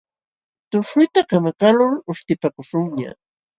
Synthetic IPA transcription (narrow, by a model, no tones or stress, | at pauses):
t̪ʊʃʊjt̪akamakalʊlʊʃt̪ɪpakʊʃʊŋɲa̰